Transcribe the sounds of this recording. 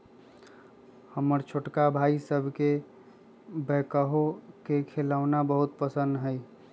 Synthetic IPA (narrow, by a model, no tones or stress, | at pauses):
həməɾt͡ʃʰoʈkabʱaisəbʱke | bɛkəɦokekʰelaːwnabəɦʊt̪pəsə̃nd̪ɦəɪ